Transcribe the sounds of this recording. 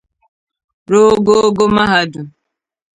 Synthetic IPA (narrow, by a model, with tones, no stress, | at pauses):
ɾo˦ɡo˦ɡo˦ma˦ɦa˨du˨